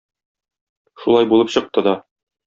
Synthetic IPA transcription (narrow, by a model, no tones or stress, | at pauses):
ʃulˠɑjbulˠɤpɕɤ̆q̚t̪ɤd̪ɒ